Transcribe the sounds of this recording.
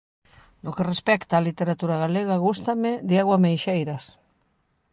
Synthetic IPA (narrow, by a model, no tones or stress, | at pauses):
nokerespɛkt̪aːlit̪eɾat̪uɾaɣaleɣaɣust̪amed̪eaɣwamejʃejɾas